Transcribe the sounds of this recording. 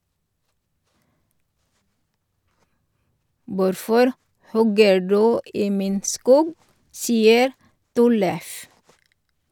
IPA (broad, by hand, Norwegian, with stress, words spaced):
ˈʋʊɾfɔɾ ˈhɔɡə ˈɖʉː ˈiː ˈmiːn ˈskuːɡ ˈsiːəɾ ˈtɔləf